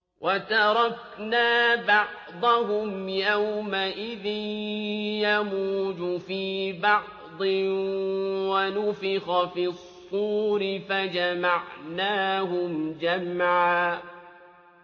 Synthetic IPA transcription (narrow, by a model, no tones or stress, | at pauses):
wʔat̪ɑɾˤɑk | naːbɑʕ | d̪ˤɑɦʊmjawmaʔɪðɪ | jamuːd͡ʒʊfiːbɑʕ | d̪ˤɪ | wanʊfɪxafisˤːuːɾɪfad͡ʒamaʕnaːɦʊmd͡ʒamʕaː